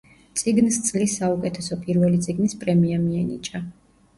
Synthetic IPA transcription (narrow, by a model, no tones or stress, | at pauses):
t̪sʼiɡnst̪sʼlisːaukʼɛt̪ʰɛsɔpʼiɾvɛlit̪sʼiɡnispʼɾɛmiamiɛnḭt͡ʃʼa